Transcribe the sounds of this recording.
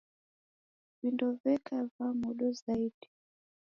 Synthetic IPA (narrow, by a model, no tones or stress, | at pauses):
vindɔvɛkʰavamuɗɔzaiɗi